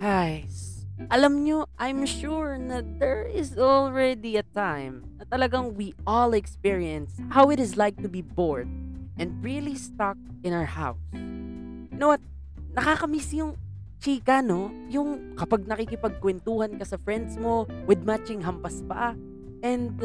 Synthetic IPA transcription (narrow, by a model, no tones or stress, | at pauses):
ɡajsʔɐlamɲoʔajmʃuɹnɐd̪ɛɹɪzɔlˠɹɛd̪iɐt̪ãjmnnɐt̪ɐlɐɡaŋwiʔɔlɛkspiɹiɛ̃nshawɪt̪ɪzlajk̚t̪ʊbiboɹd̪̚ʔɛ̃nd̪̚ɹilist̪ak̚ | ɪnawəɹha̰ws | jʊnowɐt̪̚ | nɐkaːkɐmiːsjʊŋ | t͡ʃiːkɐno̞ | jʊŋkɐpaɡ̚nɐkikɪpɐɡ̚kwɛnt̪uːhɐnkɐsɐfɹɛnd̪smo̞wɪd̪̚mat͡ʃɪŋɦɐmpɐspa̰ | ʔɛ̃nd̪̚